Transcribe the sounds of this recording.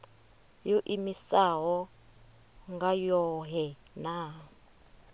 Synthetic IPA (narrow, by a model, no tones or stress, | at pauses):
joʔimisaɦɔ | ŋɡajɔɦɛ | na